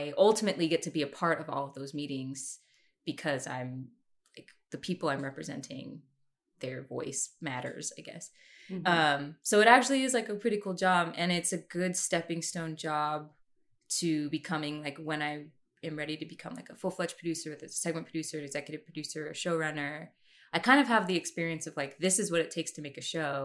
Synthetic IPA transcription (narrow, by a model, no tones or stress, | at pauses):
ɪʔʌlˠtɨmɨʔˡliɡɛtʰɨbiɨpʰɑɹɾʌvɔ̰lˠʌvðoʊzmiɾɪ̃ŋz̥ | b̥ɨkʰʌzã̰ɪ̃m | laɪk | ðɨpʰipl̩ˠãɪ̃mɹɛpɹɨzɛ̰̃ntʰɪ̰̃ŋ | ðə˞vɔ̰ɪsmæɾə̰˞z̥aɪɡɛ̰s | ʌ̃msoʊɨɾæk̚t͡ʃʉl̩ˠiɨzlaɪkɨpʰɹ̥ɪɾikʰulˠd͡ʒɑbɨ̃ñɪtsɨɡʊdstɛpɪ̃ŋstõʊ̃nd͡ʒɑb̚ | tʰɨbɨkʰʌmɪ̃ŋlaɪkwə̃ñaɪ | ɨ̃mɹɛɾiɾɨbɨkʰʌ̃mlaɪkəfʊlˠflɛt͡ʃpʰɹ̥dʉsə˞wɨðɨsɛɡ̚mɨ̃npʰɹɨdʉsə˞ɨ̃nɨɡz̥ɛkjɨɾɨv̥pʰɹ̥ɨdʉsə˞ɨʃoʊɹʌnə˞ | aɪkʰãɪ̃ndʌv̥əvðiɨkspɪɹiɨ̃nsʌv̥laɪk̚ðɪsɨzwʌɾɨtʰeɪkstʰɨmeɪkɨʃoʊ